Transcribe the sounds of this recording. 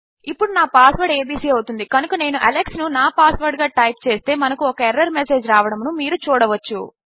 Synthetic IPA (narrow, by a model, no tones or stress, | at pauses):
ipːuɽunaːpaːsʋɐɾɖeːbiːsiːɐwt̪und̪ikɐnukɐne̞ːnuʔɐleksnunaːpaːsʋɐɾɖɡaːʈɐjp̚t͡ʃe̞ːst̪e̞ːmɐnɐkuɔkɐɛɾːɐɾmese̞ːd͡ʒɾaːʋɐɽɐmnumiːɾut͡ʃuːɽɐʋɐt͡ʃːṵ